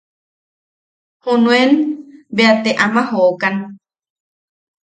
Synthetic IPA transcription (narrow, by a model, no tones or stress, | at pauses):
hunũẽnbeat̪eʔamãhookan